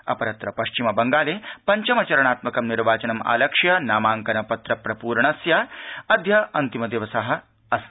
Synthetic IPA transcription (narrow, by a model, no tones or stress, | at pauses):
ɐ̰pɐɾɐt̪ɾɐpɐʃt͡ʃimɐbɐŋɡaːleːpɐɲt͡ʃɐmɐt͡ʃɐɾɐɳ̃aːt̪mɐkɐmniɾʋaːt͡ʃɐnɐma̰ːlɐkʂjɐnaːmaːŋkɐnɐpɐt̪ɾɐpɾɐpuːɾɳɐsjɐɐd̪ʱjɐɐnt̪imɐd̪eʋɐsɐɦɐ̆ | ɐs